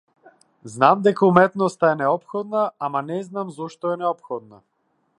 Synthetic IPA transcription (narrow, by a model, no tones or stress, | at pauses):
znamd̪ɛkaumɛt̪nɔst̪aɛnɛɔpxɔd̪naamanɛznamzɔʃt̪ɔɛnɛɔpxɔd̪̚na